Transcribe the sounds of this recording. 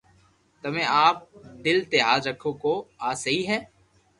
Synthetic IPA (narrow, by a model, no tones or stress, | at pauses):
t̪ɐmẽaːp̚d̪ɪlt̪ɪɦaːd̪ɾəkʰːõkoaːsəɦiɦɛː